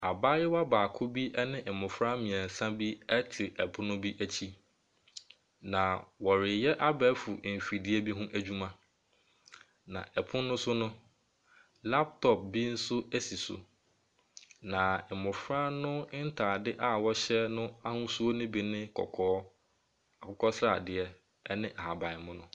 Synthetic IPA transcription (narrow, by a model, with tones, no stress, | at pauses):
a˨baː˦jɛ˦wa˦baː˨kʰʊ˦bi˦ʔɛ˦nɪ̃˦ʔɛ˨mʊ̃˨fɾã˦mĩ˨ɛ̃˨n̩˨sã˦bi˦ɛ˦tʰɪ˨ʔɛ˨pʰʊ̃˦nʊ̃˦bi˦ʔæ˦t͡ɕʰi˦ | nã˨wɔ˨ɾɪ˨jɛ˦ʔa˦bɛ˦fu˨fi˨di˦e˦bi˦ɦʊ̃˦ʔæ˨d͡ʑᶣu˦mã˦ | nã̰˨ʔɛ˨pʰʊ̃˦nːʊ̃˦sʊ˦nʊ̃˦ | la˦p̚tʰɔ˨p̚bi˦n̩˦sʊ˦æ˦si˨sʊ̰˨ | nã˨ɛ˨mʊ̃˨fɾã˦nʊ̃˦n̩˦tʰa˨dɪ˦ʔa˦wɔ˦ɕɛ˦nʊ̃˦a˦hʊ̃˦su˦o˦nʊ̃˦bi˨nɪ̃˦kʰɔ̰˨kʰɔː˦ | a˨kʰʊ˦kʰɔ˦sɾa̰˨dɪ˨ɛ˦ | ɛ˦nɪ̃˦ʔa˨ha˨bã˨ɪ˨mʊ̃˦nʊ̃˦